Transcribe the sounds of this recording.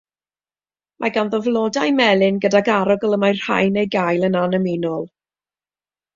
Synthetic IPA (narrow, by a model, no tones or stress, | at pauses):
mʔa̰ɡanðɔvlˠɔdajmɛlˠɪnɡədaɡaɾɔɡɔlˠəmajr̥ha̰jnejɡajlˠənanəminɔlˠ